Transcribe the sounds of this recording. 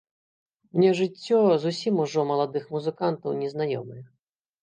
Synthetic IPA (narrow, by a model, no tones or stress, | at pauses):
mnʲɛʐɨt͡st͡sʲːɔzusʲimuʐɔmɐlˠad̪ɨxmuzɨkant̪ɐwnʲɛznajɔmɨjɛ